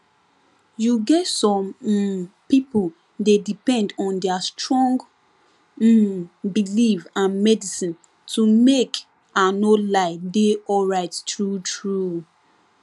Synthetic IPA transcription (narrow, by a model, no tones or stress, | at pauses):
juɡɛtsɔ̃m̩ | pipul | dedipɛ̃ndɔ̃ndɛastɹɔ̃ŋɡ | bilivãnmɛdisĩn | tʰumek | anolaɪdeɔlɹaɪttɹutɹu